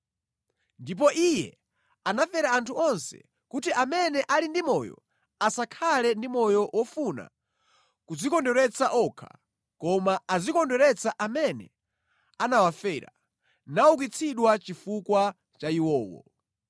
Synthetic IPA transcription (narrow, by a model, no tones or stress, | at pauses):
ndip̬ɔʔijɛ̰ | anafɛɾaantʰuɔnsɛ̰ | kutiʔamɛnɛʔalindimɔjɔ̰ | asakʰalɛndimɔjɔwɔfuna̰ | kud͡zikɔndɔɾɛt͡saʔɔkʰa̰ | kɔmaazikɔndɔɾɛt͡sʰaʔamɛnɛ̰ | anawafɛɾa̰ | nauk̬it͡sʰiɗwat͡ʃifukwa | t͡ʃaiwɔːwɔ̰